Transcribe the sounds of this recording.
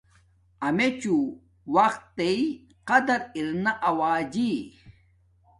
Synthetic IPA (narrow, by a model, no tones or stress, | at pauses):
ɐmet͡ɕu | wɐqt̪ːei | qɐd̪ɐɾiɾnaʔɐwaːd͡ʑi